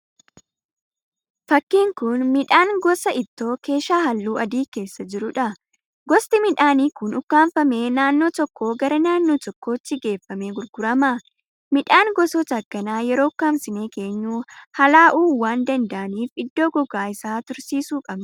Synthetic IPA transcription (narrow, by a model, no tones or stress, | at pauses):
fɐkːiːŋkʊnmɪᶑaːŋɡɔsɐʔɪt̪ːo̞ːke̞ːʃaːhɐlːuːɐd̪iːke̞ːsːɐd͡ʒɪɾʊᶑɐ | ɡɔst̪ɪmɪᶑaːniːkʊnʊkːaːnfɐme̞ːnaːnːoːt̪ɔkːo̞ːɡɐɾɐnaːnːo̞ːt̪ɔkːo̞ːt͡ʃːɪɡe̞ːfːɐme̞ːɡʊɾɡʊɾɐmɐ | mɪᶑaːŋɡɔsɔt̪ɐɐkːɐnaːjɛɾo̞ːʊkːaːmsɪneːke̞ːɲːuːhɐlaːʔuːwaːnd̪ɐnd̪ɐʔɐniːfɪd̪ːo̞ːɡɔɡaːɪsaːt̪ʊɾsiːsuːkʼɐb